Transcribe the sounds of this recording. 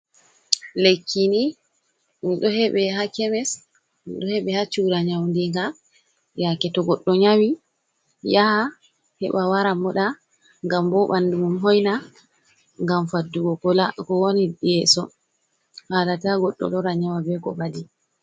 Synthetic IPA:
lekːini | niɗɔhɛɓɛɦakɛmɛs | nḭɗɔhɛɓɛhat͡ʃuɾaɲawndiŋɡa | jakɛtɔɡɔɗːɔɲawi | jaha | hɛ̰ɓawaɾamɔɗa | ŋɡambɔɓandumumɦɔjna | ŋɡamfadːuɡɔkɔlakɔwoniɗiɛsɔ | halataɡɔɗːɔ̰lɔɾaɲawabɛkɔ̰badi

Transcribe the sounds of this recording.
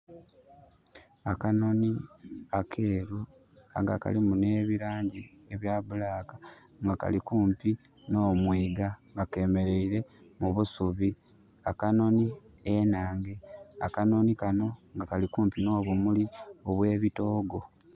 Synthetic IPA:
akano̞niakʰe̞ːɾu | a̰ŋɡa̰ka̰limune̞ːβiɾaːɲɟi | e̞βjaβulaːka | ŋɡaka̰likuːmpi | no̞ːmwiːɡaŋɡake̞me̞ɾe̞iɾe̞muβusuβi | akano̞ni | enaːŋɡe̞a̰kano̞nikano̞ŋɡakalikuːmpino̞ːβumulio̞βwe̞ːβito̞ːɡo̞

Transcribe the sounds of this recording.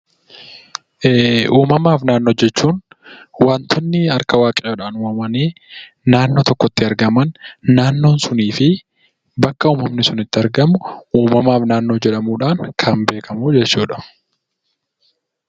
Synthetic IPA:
ʔːuːmɐmaːfnaːnːo̞ːd͡ʒɛt͡ʃːuːnwaːnt̪ʰɔnːɪɐɾkɐwaːkʼeːoːᶑaːnʊmɐmɐneː | naːnːo̞ːt̪ɔkːɔt̪ːɪɐɾɡɐmɐnːaːnːo̞ːnsʊniːfɪ | bɐkːɐuːmɐmnɪsʊnɪt̪ːɪɐɾɡɐmʊuːmɐmaːfnaːnːo̞ːd͡ʒɛᶑɐmuːᶑaːŋkʰɐnbe̞ːkʰɐmuːd͡ʒɛt͡ʃːuːᶑɐ̥

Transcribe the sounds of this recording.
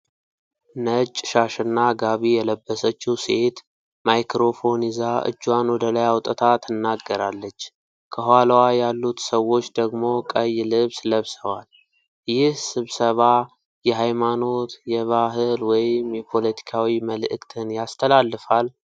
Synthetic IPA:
nət͡ʃʼːʃaʃɨnːaɡaβijɛləbːəsət͡ʃːuse̞t̪ | majkɾo̞fo̞nizaʔɨ̰d͡ʒːwanwɔd̪əlajawt̪ʼət̪ʰat̪ʰɨnːaɡːəɾalːət͡ʃː | kʰəɦwalwajalːut̪səwo̞t͡ʃːd̪əɡmo̞kʼəjːlɨβsləβsəwal | jɪhsɨβsəβa | jɛɦajmano̞t̪jɛβaɦɨlwɔjɪmjɛpʰo̞lət̪ʰi̥kʰawiməlɨʔɨkʼt̪ʰɨnjast̪ʰəlalːɨfal

